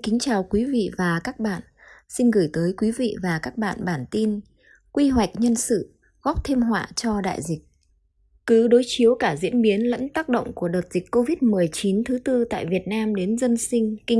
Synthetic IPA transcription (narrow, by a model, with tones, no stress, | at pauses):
kï˨˦ŋ̟t͡ɕaː˨˩wkwi˨˦vḭ˧˨vaː˨˩kaː˦˥k̚ɓa̰ː˧˨n | si˧nɣɨ˧˩jt̪əː˨˦jkwi˨˦vḭ˧˨vaː˨˩kaː˦˥k̚ɓa̰ː˧˨nɓaː˧˩nt̪i˧n | kwi˧ɦwa˨˩jk̟̚ɲə˧nsɨ̰˧˨ | ɣɔ˦˥p̚t̪ʰe˧mɦwa̰ː˧˨t͡ɕɔ˧ɗa̰ː˧˨jzï˨˩k̟̚ | kɨ˨˦ɗo˨˦jt͡ɕi˨˦əwkaː˧˩zḭ˧˥ənɓi˨˦ənlə̰˧˥nt̪aː˦˥k̚ɗə̰˧˨wŋ͡mku˧˩əɗəː˨˩t̚z̥i˨˩k̟ko˧vi˦˥t̚mɨ˨˩əjt͡ɕi˨˦nt̪ʰɨ˨˦t̪ɨ˧t̪a̰ː˧˨jvi˨˩ət̚naː˧mɗe˨˦nzə˧nsï˧ŋ̟ki˧ŋ